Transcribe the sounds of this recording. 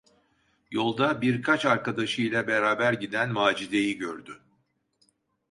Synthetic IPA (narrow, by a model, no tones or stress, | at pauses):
jo̞lˠd̪abiɾkʰat͡ʃaɾkad̪aʃɯjlʲˠabeɾaːbæɾɟid̪ænvaːd͡ʒid̪e̞jiɟøɾd̪y